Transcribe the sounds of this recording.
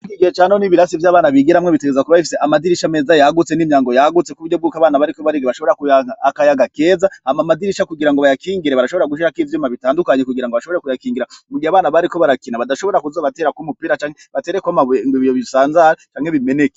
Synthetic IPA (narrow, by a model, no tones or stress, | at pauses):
ikiɡiet͡ʃaːnoniβiɾasivjaːβaːnaβiɡeɾamŋeβiteɡezakuβaβifi̥seʔamadiɾiʃame̞ːzajaɡut͡seniːmjaːŋɡo̞jaɡut͡se̞kuβuɾɟobɡuːkaβaːnaβaɾikoβaɾiɡeβaʃoβɾakujaaakajaɡake̞ːzaamamadiɾiʃakuɡiɾaŋɡoβajakiːŋɡiɾeβaɾaʃo̞βoɾaɡuʃ̬iɾakiːvjuːmaβitaːndukaɲe̞kuɡiɾaŋɡoβaʃo̞βoɾekujakiːŋɡiɾamuɡiaβaːnaβaɾiko̞βaɾakinaβadaʃoβo̞eɾakuzoβate̞ːɾakumupiːɾat͡ʃaːŋheβateːɾekwamaŋɡwiβijoβisaːnzaɾat͡ʃaːŋhe̞βimene̞ke